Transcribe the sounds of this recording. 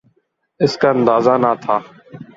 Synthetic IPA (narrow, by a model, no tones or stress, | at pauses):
ɪskaːə̃nd̪aːzaːnaːt̪ʰaː